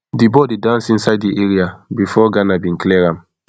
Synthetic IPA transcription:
dibɔdedãnsĩnsaɪddiʔɛɹiabifɔɡanabĩnkliɛɹãm

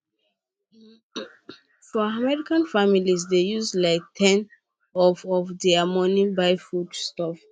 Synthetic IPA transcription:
fɔamɛɹikãnfamilizdejuslaɪk̚tʰɛ̃n | ɔfɔfdɛamɔ̃nibaɪfudstɔf

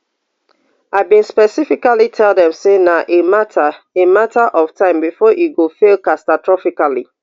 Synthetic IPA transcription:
aɪbĩnspɛsifikalitʰɛlˠdɛ̃msenaʔematʰa | ematʰaʔɔv̥tʰãɪ̃mbifɔʔiɡofelkastatʰɹɔfikali

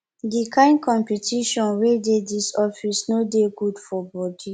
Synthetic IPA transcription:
dikʰãɪ̃nkʰɔ̃mpitʰiʃɔ̃nwededisɔfisnodeɡudfɔbɔdi

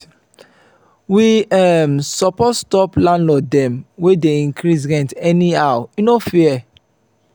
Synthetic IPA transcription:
wiɛmsɔpɔtstɔplãnlɔdɛ̃mwedeĩŋkʰɾisɾɛ̃ntɛniawunofiɛ

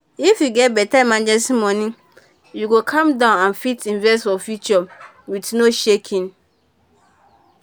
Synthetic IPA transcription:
ifjuɡɛt̚bɛtamãnd͡ʒɛsĩmɔ̃nĩ | juɡokʰãmdãʊnãnfitʰĩnvɛs̬tfɔfjut͡ʃɔ | witnoʃekʰĩn

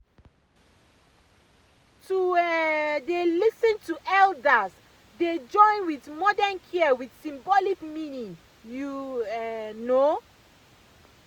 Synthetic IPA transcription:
tʰu | delisə̃ntuʔɛldəs | ded͡ʒɔ̃ɪ̃nwiθmɔdənkʰɛwiθsĩmbɔlikmĩnĩŋ | ju | no

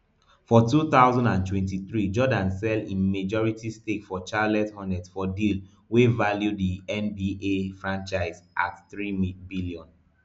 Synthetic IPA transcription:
fɔtuθaʊzɔ̃ndãntwɛ̃ntiθɹid͡ʒɔdãnsɛlḭ̃med͡ʒɔɹitistekfɔt͡ʃalɛthɔ̃ndɛdsfɔdil | wevaljudiɛ̃nbiʔefɹãnt͡ʃaɪzʔa̰tθɹibiliɔ̃n

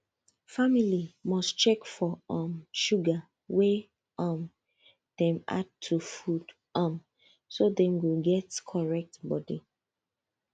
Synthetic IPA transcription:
familimɔstt͡ʃɛkfɔʌ̃mʃuɡa | we | ʌm | d̥ɛ̃ma̰d̚tʰːufud | am | sodɛ̃nwiɡɛtkʰɔɹɛk̚tbɔdi

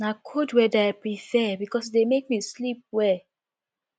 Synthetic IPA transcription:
nakʰodwɛdaɪpɹifɛbikɔs̬demek̚mislip̚wɛ

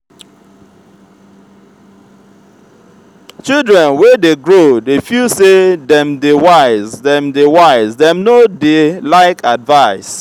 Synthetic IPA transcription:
t͡ʃildɹɛ̃nwedeɡɹodefilsedɛ̃mdewaɪzdɛ̃mdewaɪzdɛ̃mnodelaɪkʰadvaɪs

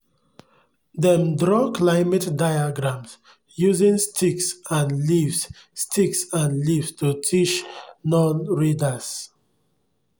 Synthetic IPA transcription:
dɛ̃mdɹɔklaɪmɛtdajaɡɹãms | juzĩnstʰiksãnlivs | stiksãnlivstutʰiʃnɔ̃nɹidas

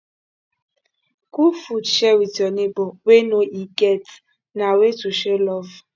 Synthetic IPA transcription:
kufudʃɛwitiɔnebɔwenoiket | nawetuʃelɔv

